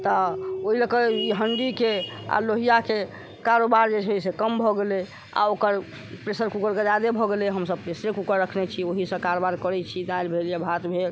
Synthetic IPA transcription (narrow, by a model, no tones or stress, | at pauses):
t̪ɔoɦiləkəiɦəɳɖikea̰loɦijake | kaɾobaɾd͡ʒeɦoisekəmbʱɔɡele | a̰okəɾ | pɾesəɾkukəɾɡəd͡ʒad̪ebʱɔɡeleɦəmsəb̚pɾesɾekukəɾːəkʰnɛt͡ʃʰioɦisə̃kaɾobaɾkəɾɛt͡ʃʰid̪ajlbʱeljabʱat̪bʱel